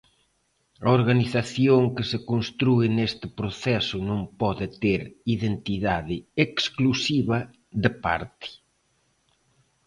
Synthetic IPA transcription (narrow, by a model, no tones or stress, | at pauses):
ɐoɾɣaniθaθjoŋkɪsɪkonst̪ɾuɪnest̪ɪpɾoθɛsʊnõŋpɔðɪt̪eɾiðent̪iðaðɪeksklusiβɐ | ðɪpa̰ɾt̪ɪ̥